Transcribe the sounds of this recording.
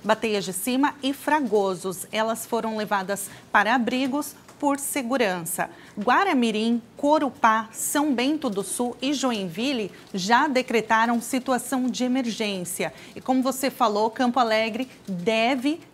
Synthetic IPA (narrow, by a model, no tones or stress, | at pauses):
bat̪ejɐzd͡ʒɪsĩmɐɪfɾaɡozʊsɛlɐsfoɾɐ̃w̃levad̪ɐspaɾɐabɾiɡʊs | poɾseɡuɾɐ̃sɐ̰ | ɡwaɾɐmiɾĩkoɾupasɐ̃w̃bẽnt̪ʊd̪ʊsuɪʒoẽvilɪ | ʒad̪ekɾet̪aɾɐ̃w̃sit̪uasɐ̃w̃d͡ʒɪemeɾʒẽsiɐ | ɪkõmʊvosefalowkɐ̃mpʊalɛɡɾɪ | d̪ɛvɪ